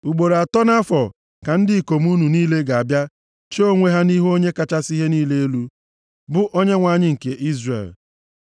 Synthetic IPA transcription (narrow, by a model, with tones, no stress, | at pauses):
u˨ɡ͡bo˨ɾa˨tɔ˦na˦fɔ˨ | ka˨n̩˦dɪ˦i˨ko˨m˦u˦nu˨niː˦le˦ɡa˨a˨bja˦ | t͡ʃːŋʷe˦ɦa˦ni˦ɦo˦ɲe˦ka˦t͡ʃa˦si˦ɦe˦niː˦le˦e˦lu˦ | bʊ˦ʔo˦ɲe˦ŋʷa˨ɲɪ˦ŋ̩˨ke˨ʔi˦zrḛ˨l